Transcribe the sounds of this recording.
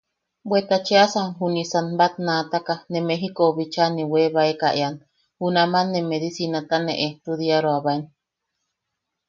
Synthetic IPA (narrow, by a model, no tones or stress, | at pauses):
bwet̪at͡ʃeasanɦunisanbat̪̚nat̪akanemeɦikoβit͡ʃaniweβaekaʔean | hunamanːemeðisinat̪aneʔet̪uðiaɾoaβaen